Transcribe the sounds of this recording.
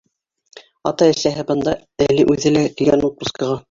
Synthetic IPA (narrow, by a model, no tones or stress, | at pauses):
ɑ̰t̪ɑɘ̆sæɦɘbɤ̆nd̪ɑ | æliʔʉðɘ̆læt̪iɡænut̪̚uskɑʁɑ